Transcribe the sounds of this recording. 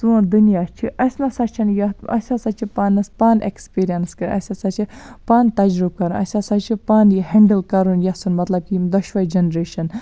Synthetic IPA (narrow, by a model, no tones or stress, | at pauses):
sud̪unijat͡ʃʰiʔɐsnɐsɐt͡ʃʰɐnjɐɐ̰sʲɐsɐt͡ʃʰipanɐspaːnḛkspiːɾijɐnskɐɾɐ̰sʲɐsɐt͡ʃʰipaːnt̪ɐd͡ʒɾub̚kɐɾũnʔɐ̰sʲɐsɐt͡ʃʰipaːnɦɛɳɖəlkɐɾunjɐsunmɐt̪lɐb̚kid̪ɐʃʋɐjd͡ʒɐnɾeːʃɐn